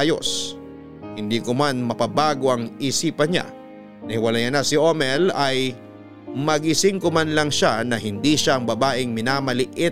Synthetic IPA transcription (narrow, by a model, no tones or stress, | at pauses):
jo̰s | hɪnd̪iːkomanmɐpɐbaːɡo̞ʔɐŋisiːpɐɲa̰ | nɐhɪwɐlajɐnasɪʔomɛlɐj | mɐɡɪsɪŋkomanlɐŋʃanɐɦɪnd̪iʃaʔɐŋbɐbaːʔɪŋmɪnaːmɐlɪʔɪ